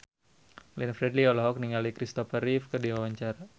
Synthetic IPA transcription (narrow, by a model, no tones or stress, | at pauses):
lɛnfɾɛdliɔlɔɦɔk̚niŋalikɾist̪ɔfaɾifkədiwawaɲt͡ʃara